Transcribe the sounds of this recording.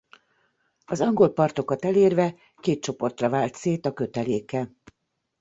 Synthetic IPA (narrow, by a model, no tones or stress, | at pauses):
ɒzɒŋɡo̞lpɒrt̪o̞kɒt̪ɛleːrvɛ | keːt̪̚t͡ʃo̞po̞rt̪rɒvaːlt̪seːt̪ɒkø̞t̪ɛleːkɛ